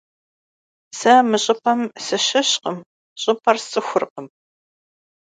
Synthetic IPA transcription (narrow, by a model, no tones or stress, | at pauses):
sɐmɨɕʼɪpʰɐmsɨɕɐɕqəm | ɕʼɪpʰɐrsʼɨxʷʊrqəm